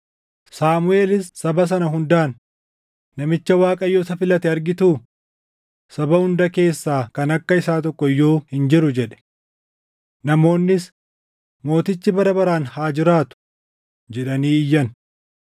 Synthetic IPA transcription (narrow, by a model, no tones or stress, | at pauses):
saːmʊe̞ːlɪsːɐbɐs̬ɐnɐɦʊnd̪aːnː | ɐmɪt͡ʃːɐwaːkʼɐjːoːtɐfɪlɐt̪ɛɐɾɡɪt̪uː | sɐbɐhʊnd̪ɐke̞ːsːaːkɐnɐkːɐɪsaːt̪ɔkːɔɪjːo̞ːhɪnd͡ʒɪɾʊd͡ʒɛᶑɛ̥ | nɐmo̞ːnːɪs | mo̞ːt̪ɪt͡ʃːɪbɐɾɐbɐɾaːnhaːd͡ʒɪɾaːt̪ʊ̥ | d͡ʒɛᶑɐniːɪjːɐn